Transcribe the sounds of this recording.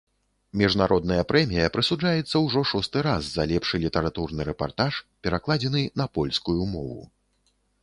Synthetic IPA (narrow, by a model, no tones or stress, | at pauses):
mʲiʐnaɾʔɔd̪̚nɐjɐpɾɛmʲijɐpɾɨsud͡ʐajɛt̪sːɐwʐɔʂɔst̪ɨɾazːalʲɛpʂɨlʲit̪ɐɾat̪urnɨɾɛpa̰rt̪aʂpʲɛɾaklˠad͡zʲɛnɨnɐpɔlʲskujumɔvṵ